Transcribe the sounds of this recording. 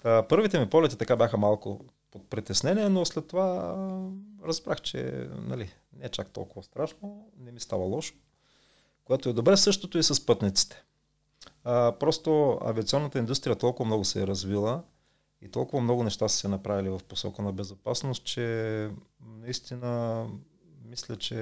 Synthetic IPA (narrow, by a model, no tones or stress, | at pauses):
pɤɾvit̪ɛmipɔlɛt̪it̪ɐkabʲjaxəmalˠko̰ | pot̪̚pɾit̪ɛsnɛniɛnoslɛt̪ːova | ɾɐzbɾaxt͡ʃɛ̰nɐ̰lḭ | nɛɛt͡ʃak̚t̪ɔ̰lˠkʊvɐst̪ɾaʃnonɛmist̪a̰vəlˠɔʃo̥ | koɛt̪oɛd̪obɾɛsɤʃt̪ot̪oisɐspɤt̪nit̪si̥t̪ɛ̥ | pɾɔst̪oɐ̰viɐt̪siɔnːət̪əind̪ust̪ɾʲijət̪ɔlˠkʊvɐmnɔɡʊsɛːɾɐzvilˠə | ḭt̪ɔlˠkʊvəmnɔɡʊnɛʃt̪assɛnɐpɾavilivɐfposɔ̰kənɐbɛzopasnost̪̚t͡ʃɛ | nɐist̪inə | mislʲət͡ʃɛ